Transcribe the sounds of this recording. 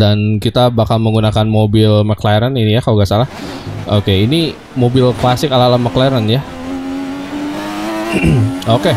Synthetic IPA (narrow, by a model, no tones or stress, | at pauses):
dankit̪abakalməŋɡunakanmobɪlmaklaɾaninijakauɡaʔsalah | ʔokeini | mobɪlklasɪkalalamaklaɾanja | oke